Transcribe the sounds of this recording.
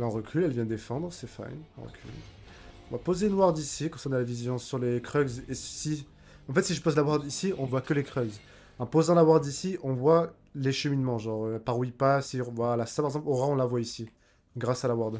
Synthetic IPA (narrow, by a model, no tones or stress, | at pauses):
laɛ̃ʁəkʲʰylɛlvjɛ̃d̪əd̪efɑ̃d̪ʁsɛfa̰nɛ̰̃ʁə̰kʲʰy̰l | ɔ̃vapozeynwaʁd̪isikɔ̃sɛʁnalavizjɔ̃syʁlekχœɡzesi | ɑ̃fɛt̪siʒəpozlawaʁd̪isiɔ̃vwakəlekχœɡz | ɑ̃pozɑ̃lawaʁd̪isiʔɔ̃vwa | leʃəminmɑ̃ʒɑ̃ʁøpaʁwipasivwalasapaʁɛɡzɑ̃ploʁaɔ̃lavwaisi | ɡʁasalawaʁd̪